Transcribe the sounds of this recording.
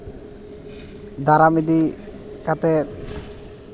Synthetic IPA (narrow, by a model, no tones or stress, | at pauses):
d̪aɾamid̪i | kat̪ɛ